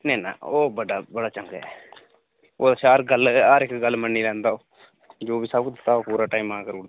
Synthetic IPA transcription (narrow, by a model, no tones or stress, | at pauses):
nɛ̃ːnã̰ːoːbəɖaːbəɽaːt͡ʃəŋkɛ̰ː | oːəsaːɾɡəlaːɾɪkɡəlmənːiːlɛ̃ːnd̪aːoː | d͡ʒoːbiːsəb̚kʊt̪t̪ːaːoːpuːɾaːʈaːimãːkəɾoː